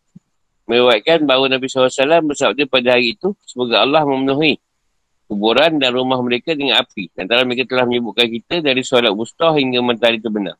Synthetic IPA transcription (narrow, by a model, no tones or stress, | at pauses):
mə̃ɾewajʔ̪̚kanbawunabisalasalambəsabap̪̚ɲapadaɦaɾiːt̪usəbaɡaːlːɑhmə̃mənuɦi | kubuɾandanrumahməɾekadəŋanapidiant̪aɾaməɾekat̪əlahməɲəbuʔ̚kankit̪ədaɾisalat̪̚bust̪ɔhiŋɡamant̪aɾit̪əbəna̰r